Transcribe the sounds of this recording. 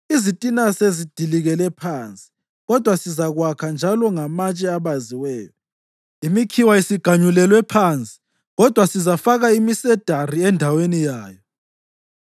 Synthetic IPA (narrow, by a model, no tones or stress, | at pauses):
izitʼinasezid̥ʱiliɣɛlɛpʰant͡sʼi̥ | ɣɔd̥ʱwasizaɣwakʰand͡ʒʱalɔŋamat͡ʃʼɛaβaziwɛːjɔ | imikʰiwaisiɡ̥ʱaɲulɛlwɛpʰant͡sʼi̥ | ɣɔd̥ʱwasizafaɣaimisɛd̥ʱariɛndʱawenijaːjɔ